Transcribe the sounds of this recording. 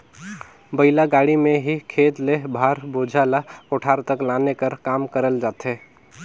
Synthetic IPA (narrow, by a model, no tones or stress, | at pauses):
bəɪlaɡaɽimẽɦikʰeːt̪lebʱaɾbod͡ʒʱalaoʈʰaːɾt̪əklanekəɾkaːmkəɾəld͡ʒaːt̪ɦe